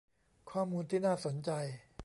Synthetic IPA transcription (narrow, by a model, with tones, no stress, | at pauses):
kʰwaː˧mːuː˧nt̪ʰiː˥˩naː˥˩so˩˦nt͡ɕa˧j